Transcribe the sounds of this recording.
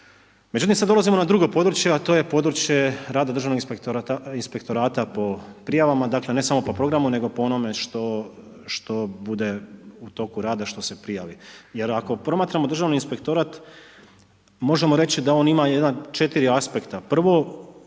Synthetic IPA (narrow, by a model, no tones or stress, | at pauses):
me̞d͡ʑut̪imsad̪o̞lazimo̞nad̪ɾuɡo̞po̞d̪ɾut͡ɕje̞at̪oje̞po̞d̪ɾut͡ʃje̞ɾaːd̪ad̪ɾr̩ʒaʋno̞ɡekt̪oainspe̞kt̪o̞ɾaːt̪apo̞pɾijaʋamad̪akle̞ne̞samo̞po̞pɾo̞ɡɾamune̞ɡo̞poono̞me̞ʃt̪o | ʃt̪o̞bud̪e̞ut̪o̞kuɾaːd̪aʃt̪o̞se̞pɾijaːʋije̞ɾako̞pɾo̞maːt̪ɾamo̞d̪ɾrʒaʋniinspe̞kt̪o̞ɾat̪ | mo̞ʒe̞mo̞ɾe̞t͡ɕid̪ao̞nimajed̪nat͡ʃe̞t̪iɾiaspe̞kt̪apr̩ʋo̞